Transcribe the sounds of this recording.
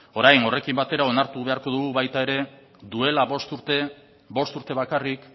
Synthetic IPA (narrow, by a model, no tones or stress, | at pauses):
o̞ɾajno̞re̞kimbat̪e̞ɾao̞naɾt̪uβe̞aɾko̞ðuɣuβajt̪ae̞ɾe̞ | d̪ue̞laβo̞st̪uɾt̪e | bo̞st̪uɾt̪e̞β̞akarik